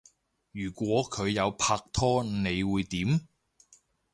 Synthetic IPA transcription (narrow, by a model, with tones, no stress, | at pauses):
jyː˨˩kʷɔː˨˥kʰɵ˨˧ɥjɐ˨˧wpʰaː˧k̚t̪ʰɔː˥ne˨˧jwuː˨˧jt̪iː˨˥m